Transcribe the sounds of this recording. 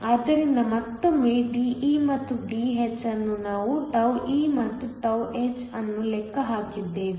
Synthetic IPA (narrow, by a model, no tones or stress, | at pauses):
ɐːd̪ɐɾind̪ɐmɐt̪ːɐmiːɖiːʔiːmɐt̪ːuɖiːɦet͡ʃːɐnːunaːʋuʈɐwiːmɐt̪ːuʈɐweːt͡ʃɐnːulɛkːɐɦaːkid̪ːe̞ːʋi